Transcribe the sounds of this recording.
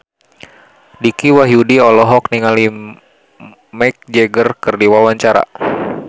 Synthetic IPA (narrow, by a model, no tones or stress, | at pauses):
dikiwaɦjudiɔlɔɦɔkniŋali | mɛk̚d͡ʒɛɡərkɨrdiwawaɲt͡ʃaɾa̰